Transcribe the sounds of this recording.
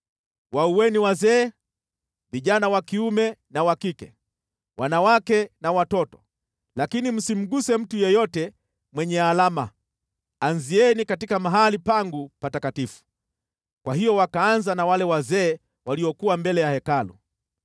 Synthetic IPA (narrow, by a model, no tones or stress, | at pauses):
wauwɛniwazɛː | viʄanawakiumɛnawakikɛ | wʔanawakɛnawatɔtɔ̥ | lakinim̩sim̩ɠusɛm̩tujɛjɔtɛ | mwɛɲɛalama | anziɛnikatikamaɦalipaŋɡupatakatifu̥ | kwahijɔwakaanzanawalɛwazɛː | waliɔkuwambɛlɛjahɛkalṵ